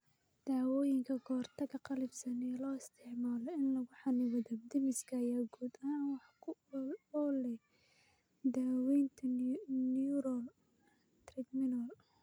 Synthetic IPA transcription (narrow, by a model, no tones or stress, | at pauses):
d̪̥aːwɔːjɪŋkʰɐɡʰɔːrt̪ʰɐɣɐqɑlɪbsɐnɛlɔːɪst̪ʰɪʕmaːlɔɪnlɐɣʊħɑnɪwɐðɔd̪ɪmɪskʰɐːjaːɡuːd̪aːnwɑħkʰʊɔlɛ | d̪aːwɛjnt̪ʰɐnuɾɔl | t̪rɛɡ̪mɪnɐl